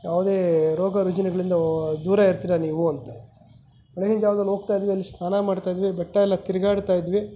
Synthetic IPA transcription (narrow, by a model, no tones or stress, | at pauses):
jaːʋud̪eːɾoːɡɐɾud͡ʒɐnɐɡɐɭind̪ɐd̪uːɾɐiɾt̪iɾɐniːʋuɐnt̪ɐ | m̥ɐɭeɡind͡ʒ̪jaːʋd̪ɐnːɦoːɡ̚t̪aːjid̪ʋiɐlːisnaːnɐmaːɽt̪aːjid̪ʋibɛʈːɐɛlːɐt̪iɾiɡaːɽt̪aːjid̪ʋi